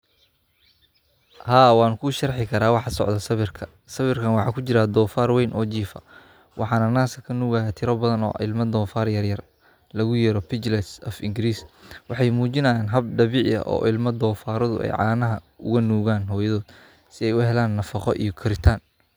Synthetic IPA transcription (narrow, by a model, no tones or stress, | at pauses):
haːwɑːnkʰuʃɐrħɪkʰɐɾaːwɑħɑsɔ̰ʕðɐsɐβɪrkʰɐ | sɐβɪrkʰɐnwɑħɑːkʰʊt͡ʃɪɾaːd̪ɔːfaːrwɛjnʔɔːt͡ʃiːfɐ̰ | wʔɑ̰ħɑːnɐnaːsʰɐkʰɐnuːɣajaːt̪ʰɪɾɔbɐðɐnɔ̰ːʔɪ̰lmɐd̪ɔːfaːrjɐrjɐr | lɐɣʊjɛːɾɔpʰɪt͡ʃlɛsɔfɪŋɡɪɾiːswɑħɑjmuːt͡ʃɪnɐjaːnɦɐb̚ɖɐβɪʕjɐ̰ʔɔ̰ːʔɪlmɐd̪ɔːfaːɾɔðʊ̰ʔɛ̰jʕɑːnɐɦɐ | ʊɣɐnuːɣaːnɦɔːjɐðɔːd̪̥ | sɪɛjʊɦɛlaːnːɐfɑqɔʔḭjɔkʰɪɾɪt̪ʰaːn